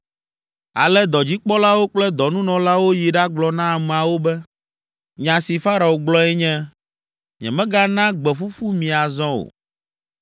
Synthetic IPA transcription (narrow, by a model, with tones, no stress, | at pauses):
a̰˨lɛ˦d̪ɔ˨d͡ʑi˦k͡pɔ˦la˦wo˦k͡plɛ˦d̪ɔ˨nũ˦nɔ̃˨la˦wo˦ji˨ɖa˦ɡ͡blɔ˨nã˦˨m˨a˨wo˦bɛ˦ | ɲã˨si˨fa˦ɾa˨wo˨ɡ͡blɔ˦ɛ˦ɲɛ̃˦ | ɲɛ̰̃˨mɛ̃˦ɡa˦nã˦ɡ͡bɛ˨ɸu˦ɸu˦mĩ˨a˨zɔ̃˦o̰˨